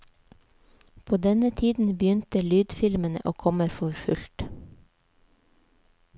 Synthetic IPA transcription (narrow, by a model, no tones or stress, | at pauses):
pʰoːd̪ɛnət̪ʰiːd̪n̩bjʏnt̪əlyːd̪fɪlmənə̰ʔoːkʰɔməɾfɔɾfʉlt̪